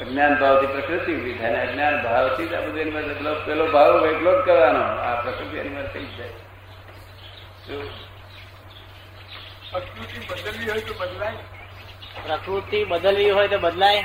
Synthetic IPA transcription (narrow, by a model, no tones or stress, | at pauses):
əɡnjanbʱaʋt̪ipɾəkɾut̪iubid̪ʱʰajneəɡnjanbʱaʋt̪ʰid͡ʒa̰pud̪jəniʋəɾt̪ət̪ʰlopɛlobʱaʋʋeploɖkəɾʋanoapɾəkɾut̪iə̰niʋəɾt̪id͡ʒd͡ʒaj | t̪o | pɾəkɾut̪ibəd̪əlʋiɦojt̪obəd̪laj | pɾəkɾut̪ibəd̪əlʋiɦojt̪obəd̪laj